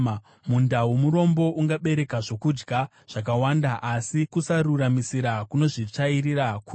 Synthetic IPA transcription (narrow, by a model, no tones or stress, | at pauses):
mundawumuɾo̞mbo̞ʔuŋɡaɓe̞ɾe̞kaʐo̞kud͡ʒɡʱa | ʐ̥ak̬awandaʔasikusaɾuramisiɾakuno̞ʐit͡ʂaiɾiɾaku